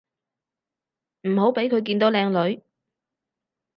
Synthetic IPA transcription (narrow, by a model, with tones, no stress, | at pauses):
m̩˨˩ɦo˨˥wpe˨˥jkʰɵ˨˧ɥk̬iː˧nt̪o˨˥wlɛː˧ŋlɵ˨˧ɥ